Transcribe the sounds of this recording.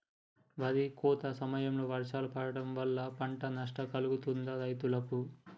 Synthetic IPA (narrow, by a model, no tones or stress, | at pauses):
ʋɐɾikɔːt̪ɐsɐmɐjɐmlo̞ːʋɐɾʃaːlupɐɽɐɽɐmʋɐlːɐpɐɳʈɐnɐʂ̬ʈɐkɐluɡut̪und̪ɐɾɐjt̪ulɐku